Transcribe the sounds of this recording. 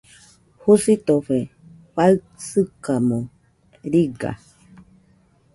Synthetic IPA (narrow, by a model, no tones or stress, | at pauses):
husit̪oɸe | ɸaɨ | sɨkamõ | ɾiɡa̰